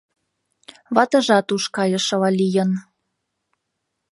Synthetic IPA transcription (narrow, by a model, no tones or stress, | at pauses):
βɑt̪ɤ̆ʒɑt̪uʃkɑjɤ̆ʃɤ̆lɑlʲijən